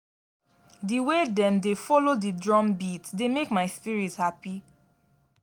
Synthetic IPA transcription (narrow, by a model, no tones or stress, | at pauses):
diwedɛ̃mdefɔlodidɹɔ̃mbitdemekmaɪspiɹithapi